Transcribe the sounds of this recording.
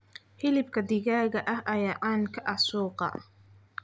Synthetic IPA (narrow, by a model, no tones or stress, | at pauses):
hɪlɪb̚kʰɐd̪ɪɣaːɣɐʔɐɦʔɐjaːʔaːnkʰɐʔɑsuːqɑ̰